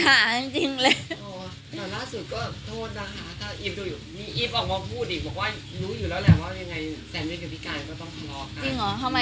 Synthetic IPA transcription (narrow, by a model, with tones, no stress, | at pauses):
kʰaː˨˧˩i˧t͡ɕi˧ŋlɤː˧ʔoː˨˧˩ | t̪ɛ˨˩laː˥˩su˨˩t̪̚kɔː˥˩t̪ʰoː˥˩t̪̚na˦˥kʰa˦˥t̪ʰaː˥˩ʔiː˦˩p̚duː˧juː˨˩miː˧ʔi˦˥˩p̚ʔɔː˨˩k̚maː˧pʰuː˥˩t̪ʔiː˨˩bɔː˨˩k̚waː˥˩ | luː˦˥juː˨˩lɛː˦˥wlɛː˨˩waː˥˩ja˧ŋːa˧jsɛ˨˦nmi˧nɯː˨˩wʰi˦˩kaː˧jkɔː˥˩t̪ɔ˥˩ŋt̪pʰa˧lɔ˦˥k̚t͡ɕi˧ŋʔɔː˨˦k̪ʰa˥˩wma˧